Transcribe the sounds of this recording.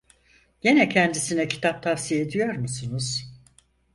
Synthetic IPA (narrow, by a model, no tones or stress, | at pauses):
ɟ̥enɛcʰɛnd̪isinɛcʰi̥t̪ʰap̚t̪ʰafsije̞d̪ijo̞ɾmusunuz̥